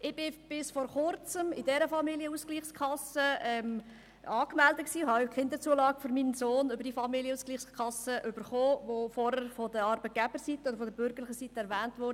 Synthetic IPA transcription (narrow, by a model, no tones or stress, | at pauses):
ʔɪb̥ɪb̥ɪsfɔɾχʊɾt͡səmɪdɛɾəfɑmiliəuskliːχskʰɑsəɛm | ɑːkmældət̚ksiːɦɑkχɪnd̪ət͡suəlɑːɡəføɾminsoːnʏb̥əɾd̥ifɑmiljəuːskliːχskʰɑsəʔʏb̥əɾχoːvofɔɾəɾfɔdəɑɾbət̚ɡ̥ɛb̥əɾsitəɔdəɾfɔdəɾbʏɾɡəɾlɪχəsitəɛɾvæːntʋɔɾd